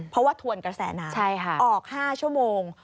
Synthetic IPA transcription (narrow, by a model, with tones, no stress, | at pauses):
pʰɾɔ˦˥waː˥˩t̪ʰu˧ənkɾa˧sɛː˩˦naː˨˦t͡ɕʰa˥˩jkʰa˦˥˩ʔɔː˨˩k̚haː˥˩t͡ɕʰu˥˩əmoː˧ŋ